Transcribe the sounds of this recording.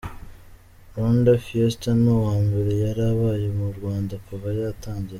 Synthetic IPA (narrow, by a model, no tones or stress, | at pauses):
ɾondafiestanowaːmbe̞ɾe̞jaɾaβaːjemuɾɡwaːndakuvajatʰaːɲɟe